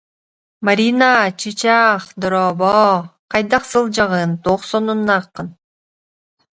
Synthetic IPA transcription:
maɾʲinat͡ʃɯt͡ʃaχd̪ɔɾɔbɔqɑjd̪ɑqsɯlˠd͡ʒɑʁɯnt̪oχsɔnunːaqːɯn

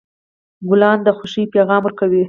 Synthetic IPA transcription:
ɡʊlɑnd̪əxʊʃipeɣɑmwəɾkawi

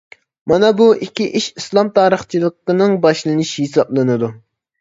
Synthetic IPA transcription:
mɑnɑbuʔikʲːiʔiʃislˠɑmt̪ʰɑːɾəχt͡ʃʰilˠəqənɨŋbɑʃlˠɨnɨʃiɦesɑblˠɨnɨd̪u

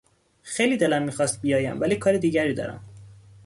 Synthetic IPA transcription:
xejliːd̪elæmːiːxɒːst̪̚bijɒːjæ̰mvæliːkʰɒːɾed̪iːɟæɾiːd̪ɒ̰ːɾæ̰m

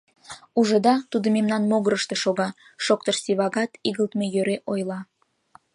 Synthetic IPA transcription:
uʒəd̪ɑt̪ud̪omemnɑnmoɣəɾəʃt̪eʃoɣɑ | ʃok̚t̪əʃsiβɑɣɑt̪iɣəlt̪mejøɾeʔojlˠɑ

